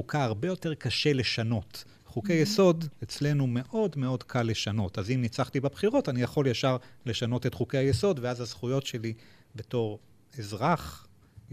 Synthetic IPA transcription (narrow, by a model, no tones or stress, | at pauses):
ukʰaaʁbe̞jo̞te̞ʁkaʃe̞leʃano̞t | χukejeso̞de̞t͡sle̞nume̞ʔo̞dme̞o̞dkʰalːe̞ʃano̞tazimnit͡saχtibabχiʁo̞tanijaχo̞ljaʃaʁle̞ʃano̞te̞tχukehajeso̞dveazazχujo̞tʃe̞li | be̞to̞ʁ | e̞zʁaχ